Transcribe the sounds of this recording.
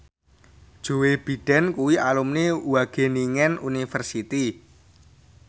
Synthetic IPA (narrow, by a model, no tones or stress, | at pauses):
d̥ʒ̥o̤web̥i̤ɖ̥ɛ̤nkuwialumnewaɡ̥e̤niŋɛnunifərsit̪i